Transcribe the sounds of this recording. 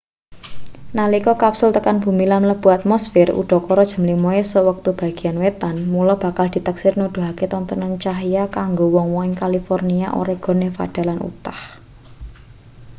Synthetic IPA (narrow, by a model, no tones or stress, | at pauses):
nalikɔkapsʊlt̪əkanb̥ṳmilamləb̥ṳat̪̚mɔsfɪrṵɖ̥ɔ̤kɔɾɔd̥ʒ̥ə̤mlimɔesəwək̚t̪ub̥a̤ɡ̥i̤anwet̪anmulɔb̥ä̤kald̪̥i̤t̪əksɪrnud̪̥ṳɦaket̪ɔnt̪ənant͡ʃaɦjakaŋɡowɔŋwɔŋɪŋkalifɔrniaʔo̰ɾɛɡ̥ɔ̤nefa̰ɖ̥a̤lanṵt̪ah